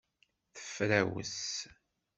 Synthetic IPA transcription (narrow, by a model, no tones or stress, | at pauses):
θə̥fɾæwə̰s